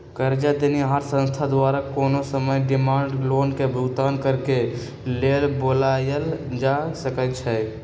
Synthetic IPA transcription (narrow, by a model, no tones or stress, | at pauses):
kəɾd͡ʒad̪eniɦaɾsə̃nst̪ʰad̪waɾakonosəməjɖɪmaɳɖlonkebʱut̪ankəɾke | lelbolajəld͡ʒasəkəlt͡ʃʰɛ